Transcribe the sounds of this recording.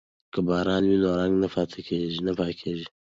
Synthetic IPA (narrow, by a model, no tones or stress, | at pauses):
kəbaːɾaːnwinoːɾaŋɡnɐfat̪ʰɐkʰeːʒinɐpaːkʰeʒi